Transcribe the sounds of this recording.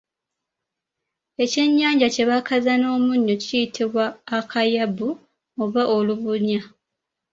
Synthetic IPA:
e̞ce̞ɲːaːɲɟace̞βakazano̞ːmuɲːocijitʰiβwaːkʰajabu | oβaʔoluβuɲa

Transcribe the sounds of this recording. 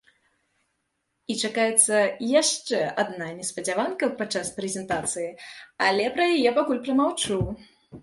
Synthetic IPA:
it͡ʂakajɛt̪sːɐjaʂt͡ʂɛad̪nanʲɛspɐd͡zʲavankɐpat͡ʂːaspɾɛzʲɛnt̪at̪sɨjialʲɛpɾɐjajɛpakulʲpɾɐmawt͡ʂuw

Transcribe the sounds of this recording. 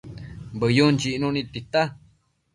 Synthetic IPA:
bəjunt͡ʃiʔnũnit̪it̪a

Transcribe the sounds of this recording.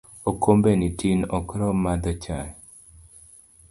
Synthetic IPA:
okʰombenitinɔkɾɔmad̪ɔt͡ʃaj

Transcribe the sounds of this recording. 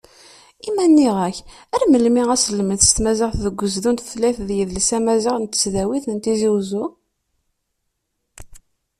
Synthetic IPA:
imænːiʁæçæɾməlmiʁæsəlməθst̪mæzɪʁθðəɡʷːəzðunt̪θlæθðjiðlsæmæzɪʁnt̪ːə̥sðæwiθnt̪iziwzu

